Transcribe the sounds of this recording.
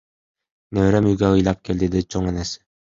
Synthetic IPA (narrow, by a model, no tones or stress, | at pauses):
neβɾemyjɡæɯjlˠɑp̚keld̪ed̪it͡ʃʰoŋenesɪ̥